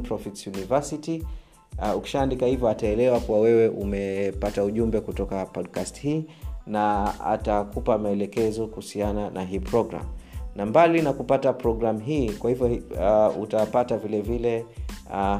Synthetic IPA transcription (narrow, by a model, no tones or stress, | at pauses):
pɾɔfitsjunivasiti | uki̥ʃaːndikahivjɔataɛlɛwakuwawɛwɛʔumɛpatauʄumbɛkutɔkapɔdkasthiːnaa̰takupamaɛlɛkɛzɔkuhusiananʔaɦiːpɾɔɡɾa̰mnambalinakupatapɾɔɡɾamɦiːkwahivjɔutapatavilɛvilɛ